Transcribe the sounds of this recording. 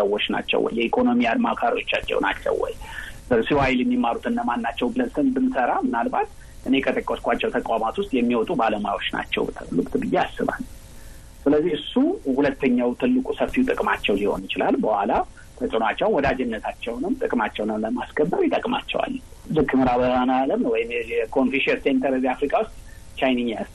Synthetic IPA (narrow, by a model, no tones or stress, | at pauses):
səwːot͡ʃːna̰t͡ʃːɛ̰wɔ̰jːɛikʰo̞no̞mijad̪makʰaɾo̞t͡ʃːat͡ʃːɛ̰wna̰t͡ʃːɛ̰wwɔ̰jəsiwajɪljɛmːimːaɾut̪ʰɨnːəmanːat͡ʃːɛwbɨlənsʰɨnbɨnsəɾamɨnalbat̪ | ʔɨne̞kʼət̪ʼəkʼːoskʼʷat͡ʃːɛwt̪ʰəkʼwamat̪wʊst̪ʼjɛmːiwɔt̪ʼubaləmajwo̞t͡ʃːna̰t͡ʃːɛ̰wt̪ʰɨlɨkʼt̪ʰbɨjːeasːɨβa̰l | sɨləzːihɨsːuhulət̪ːəɲːawt̪ʰɨlːɨkʼusəfiwt̪ʼɨkʼmat͡ʃːɛwliho̞̰njɪt͡ʃɪla̰lbəhʷala | t̪ʰət͡ʃʼɨnat͡ʃːɛwnwɔd̪ad͡ʒɛnːət̪ʰat͡ʃːɛwnɨmt̪ʼɨkʼmat͡ʃːɛwnəwləmaskʰəbːəɾjɪt̪ʼəkʼma̰t͡ʃːɛ̰wa̰lː | zɨkːɨmɨɾabəanajaləmnəwɔjɪmɛɛkʰo̞nfiʃɛɾsent̪ʰəɾɨziafɾikʼawʊst̪ʼ | t͡ʃajniɲːas